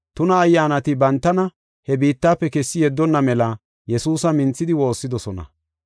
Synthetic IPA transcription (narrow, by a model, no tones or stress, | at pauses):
t̪ʊnɐːjːaːnɐt̪ɪbɐnt̪ːɐnɐ | hɛbiːt̪ːaːpːɛkɛsːɪjɛd̪ːɔnːɐmɛlɐ | jɛsuːsɐmɪnt͡sːɪd̪ɪwo̞ːsːɪd̪ɔsɔnɐ̰